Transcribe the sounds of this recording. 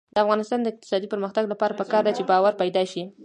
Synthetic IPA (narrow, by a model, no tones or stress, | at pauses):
d̪əafɣɑnɪst̪ɑnd̪əɪq̚t̪ɪ̥sɑd̪ipəɾməxt̪aɡlapɑɾapəkɑɾd̪at͡ʃebɑwaɾpajd̪ɑʃi